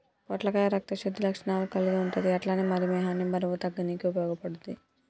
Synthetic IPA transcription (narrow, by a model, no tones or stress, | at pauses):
pɔʈlɐkaɾɐk̚t̪ɐʃɐd̪ːilɐkʂɐɳaːlukɐlːiɡɐuɳʈud̪iɐʈlaːnimɐɾimɛːɦaːnimɐɾɐʋut̪ɐɡːɐnikiupɐjɔːɡɐpɐɽuni